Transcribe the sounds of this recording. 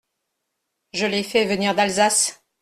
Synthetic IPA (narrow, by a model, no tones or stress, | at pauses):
ʒəlɛfɛvəniʁd̪alzas